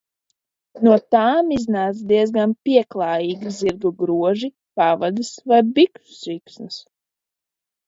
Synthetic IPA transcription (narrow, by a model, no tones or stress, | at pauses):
nuɔt̪aːmiznaːt̪sd̪iɛzɡanpʲiɛklˠaːjiːɡiziɾɡuɡɾuɔʒi | pavad̪ɨsvajbiku̥sviksnɨs